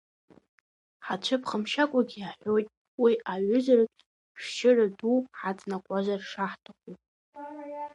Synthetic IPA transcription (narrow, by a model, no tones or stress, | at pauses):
ħat͡ʃʷʰɨpχəmʃakʷʼaɡʲiaħʷᶣojtʼ | wiʔaɥʊzarakʼ | ʃʃɪraduħat͡sʼnakʷʼazʷarʂaħtʰaχʷu